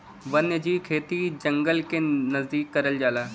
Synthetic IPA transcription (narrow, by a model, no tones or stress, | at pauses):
ʋɐnjəd͡ʒiːkʰeːt̪id͡ʒəŋɡəlkenɐzd̪iːkːɐɾəld͡ʒaːlaː